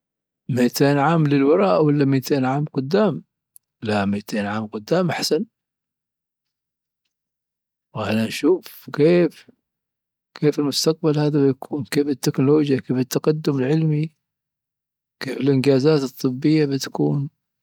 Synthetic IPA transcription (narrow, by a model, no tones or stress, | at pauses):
miːt̪eːnʕaːmlɪlwɑɾˤɑːʔwalːamit̪ʰeːnʕaːmqʊd̪ːaːm | lamiːt̪eːnʕaːmqʊd̪ːaːmʔaħsan | wʔananʃuːfkeːf | kʰeːfɪlmʊst̪aq̚balhaːðabɪjakʰuːnkeːfɪt̪ːɪknʊloːd͡ʒjakeːfɪt̪ːaqad̪ːʊmɪlʕɪlmi | keːfɪlʔɪnd͡ʒaːzaːt̪ɨt̪ˤːɨbːɪjːabɪt̪ḁkuːn